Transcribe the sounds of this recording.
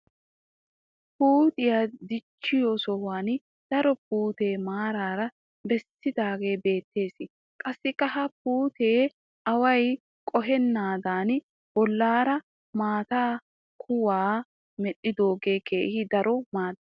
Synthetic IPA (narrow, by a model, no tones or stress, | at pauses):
puːt̪ʼɪjad̪ɪt͡ʃːɪjosɔhaːn | d̪̥ɐɾɔp̚uːt̪e̞ːmaːɾaːɾɐ | bɛsɪd̪aːɡe̞ːbe̞ːt̪ːe̞ːsɪ | kʼɐsːɪkʼːɐɦɐp̚uːt̪e̞ː | ʔɐwɐj | kʼɔɦɛnːaːd̪aːn | bɔlːaːɾɐ | maːt̪aː | kʰʊwaː | mɛɗɪd̪o̞ːɡe̞ːkeːhɪd̪ɐɾɔmaːd̪